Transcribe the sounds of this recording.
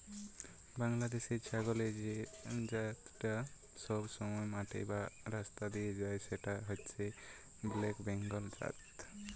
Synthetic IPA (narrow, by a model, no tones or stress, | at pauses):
baŋlad̪esit͡ʃʰaɡɔled͡ʒed͡ʒat̪ʈa | sɔbsɔmɔjmaʈʰḛbaɾast̪ad̪ijed͡ʒajseʈaɦɔtːsʰe | blekbɛŋɡɔld͡ʒa̰t̪